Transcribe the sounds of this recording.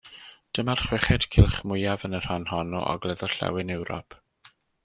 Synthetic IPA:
d̥əmarχwɛχɛd̥kʰɪlˠχmʊjavənər̥hanhɔnɔ̰ʔɔ̰ɡlˠɛðɔɬɛ̰wɪnɛwɾɔ̰pʰ

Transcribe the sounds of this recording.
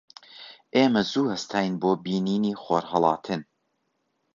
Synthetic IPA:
ʔeːmɐzuːhɐst̪ʰɑːjnboːbiːniːniːxoːɾhɐlˠɑ̰ːt̪ʰɨn

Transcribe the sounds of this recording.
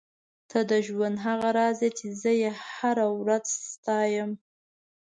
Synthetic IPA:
t̪ʰad̪əʒwand̪ɦaɣaɾɑzet͡ʃezəjehaɾawɾazst̪ɑjəm

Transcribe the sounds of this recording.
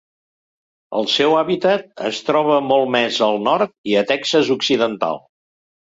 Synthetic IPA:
ə̰lˠsɛwaβit̪ət̪̚ə̰st̪ɾɔβ̞əmɔlˠmɛzəlˠnɔɾt̪̚iət̪ɛksəzuksiðənt̪a̰lˠ

